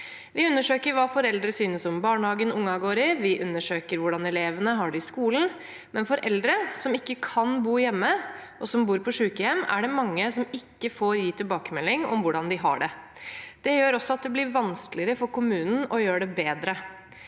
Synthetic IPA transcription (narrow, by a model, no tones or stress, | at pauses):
ʋɪʉnːəʂøːkəɾʋɑːfɔɾɛld̪ɾəsyːnəsɔmbɑːɳhɑːɡənʊŋːɑɡoːɾɪʋɪʔʉnːəʂøːkəɾʋʊɖɑnɛleːʋənəɦɑɖɛɪskuːln̩ | mɛnfɔɾʔɛld̪ɾəsɔmɪkːəkʰɑnbuːjɛmːəʔɔsɔmbuːɾpʰɔʂʉːkəjɛmæ̰ɖɛmɑŋːəsɔmɪkːəfoːɾjiːt̪ʰɪlbɑːkəmɛlːɪŋɔ̰mʋʊɖɑnd̪ɪɦɑ̰ɖɛ | d̪̥ɛjøːɾɔsɔɑt̪̚d̪ɛblɪɾʋɑnsklɪəɾəfɔɾkʊmʉːnən̩ɔjøːɖɛbeːd̪ɾə